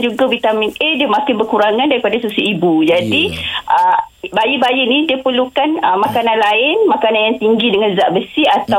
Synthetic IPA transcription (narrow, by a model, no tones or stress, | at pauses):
d͡ʒuɡavit̪aminʔediamakɪnbəkuɾaŋãndaɾipadasusiibud͡ʒadiʔə | bajibajinĩdiəpərlukanəmakanãnlaɪnmakananjaŋt̪iŋɡidəŋanzaʔbəsiat̪a